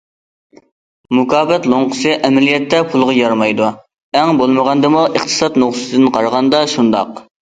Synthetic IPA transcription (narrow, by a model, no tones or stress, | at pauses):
mukʰɑːbɛt̪lˠoɴqʰə̥sɨʔɛmɛlijɛt̪ʰːɛpʰulˠʁɑjɑɾmɑjd̪u | ɛŋbolˠməʁɑnd̪ɨmuʔəχt̪ʰɨ̥sɑt̪nuχsɨ̥t̪ʰɨd̪ɨnqʰɑɾʁɑnd̪ɑʃund̪ɑ̰q